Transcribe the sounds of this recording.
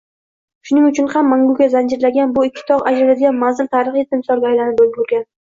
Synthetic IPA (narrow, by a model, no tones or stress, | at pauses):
ʃʊnɪŋʊt͡ʃʰʊnhamːaŋɡʊɡʲazand͡ʒɪɾlaɡʲanbʊɪkʲʰːɪ̥t̪ʰɒʁad͡ʒɾalad̪ɪɡʲanmanzɪlt̪ʰaɾɨχet̪ɪmsɒɾɡʲajlanɪbolɡʊɾɡʲan